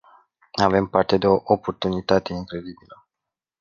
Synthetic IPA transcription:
ave̞mpart̪e̞d̪e̞o̞ʔopo̞rt̪unit̪at̪e̞iŋkɾe̞d̪ibilə

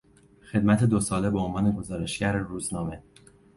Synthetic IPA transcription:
xe̞d̪mæt̪ʰed̪osɒːle̞beonvɒːneɡo̞zɒːɾe̞ʃɟæɾeruːznɒːme̞

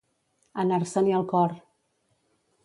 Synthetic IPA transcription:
ənaɾsəniəlˠkɔr

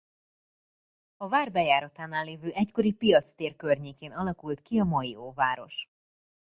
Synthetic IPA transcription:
ɒvaːrbɛjaːɾɒt̪aːnaːlːeːvøːʔɛcko̞ɾipijɒt̪st̪eːrkørɲeːkeːnɒlɒkult̪kiɒmɒjioːvaːɾo̞̰ʃ

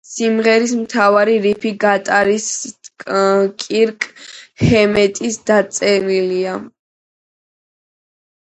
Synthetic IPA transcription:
simʁɛɾismt̪ʰavaɾiɾipʰiɡat̪ʼaɾis | kʼiɾkʼhɛmɛt̪ʼisd̪̥at̪sʼɛnilia

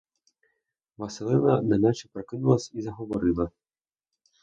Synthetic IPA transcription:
vɐsɨlˠɛnɐnanat͡ʃipɾɐkɨnulˠɐsʲizɐɦɔʋɔɾɨlˠɐ

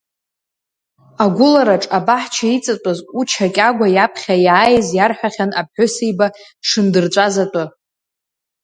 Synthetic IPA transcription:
aɡʷʊlaɾaʈ͡ʂʼabaħt͡ʃʰait͡sʼatʼazut͡ʃʰakʲʼaɡʷajapʰχʲajaːjzjarħʷᶣaχʲanap̚ħʷʊsijba | ʂɨndɨrt͡ɕʷʼazatʼɨ

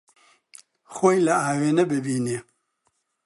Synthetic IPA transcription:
xoːjlɐaːweːnɐbɪbiːneː

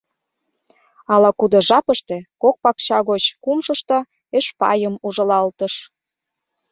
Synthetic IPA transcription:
ɑlɑkud̪ŏʒɑpəʃt̪ekok̚pɑkt͡ɕɑɣot͡ɕkumʃəʃt̪ɤ̆ | eʃpɑ̰jəmuʒə̆lɑlt̪əʃ

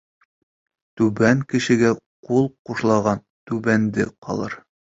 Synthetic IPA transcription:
t̪ʉbæŋkɘ̆ʃɘ̆ɡæqulˠquʃlˠɑʁɑn | t̪ʉbænd̪ɘqɒ̰lˠɤ̰ɾ

